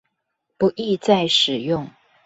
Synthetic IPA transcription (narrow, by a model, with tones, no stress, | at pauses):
pu˨˦ʔi˥˧t͡sa˥˩ɪʂɻ̩˨˩jʊ˥˨ŋ